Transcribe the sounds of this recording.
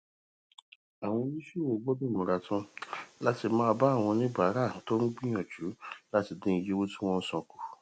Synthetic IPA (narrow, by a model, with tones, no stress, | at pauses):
a˨w̃ɔ̃˧˦i˦ʃu˦˨wo˧˨ɡ͡bo˦de˦˨mũ˨ɾa˨tũ˦la˦ti˧mã˦˧ba˦˨w̃ɔ̃˧nĩ˦ba˨˦ɾa˦˨to˦n̩˦ɡ͡bĩ˦ɔ̃˨d͡ʒu˨˦la˦ti˧dĩ˧˦˧je˦wo˦tũ̥˦w̃ɔ̃˦n̩˦sɔ̃˧ku˧